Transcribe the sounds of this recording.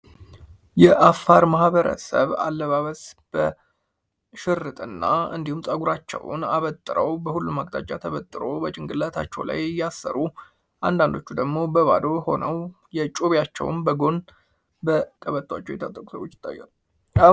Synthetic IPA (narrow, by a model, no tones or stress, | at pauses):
jɛʔafːaɾmahbəɾə̰səβa̰lːəβaβəsb̥ə | ʃɪɾɨt̪ʼɨnːaɨ̰nd̪ihumsʼəɡuɾat͡ʃːɛ̰w̰naβət̪ʼːɨɾəwbəhulːumːaɡʼt̪ʰʼa̰t͡ʃʼːat̪ʰəβət̪ʼːɨɾo̞bət͡ʃʼɪŋɡɨlːət̪ʰat͡ʃːɛ̰wla̰jjasːə̰ɾu | and̪and̪o̞t͡ʃːud̪əɡmo̞bəβa̰d̪o̞ho̞nəw | jɛt͡ʃʼoβjat͡ʃːɛ̰wnbəɡo̞n | bək̪ʼəβət̪ʼːwat͡ʃːɛwjɛt̪ət̪ʼːəkʼu̥səβwot͡ʃːɪ̥t̪ʼːa̰jːɛ̰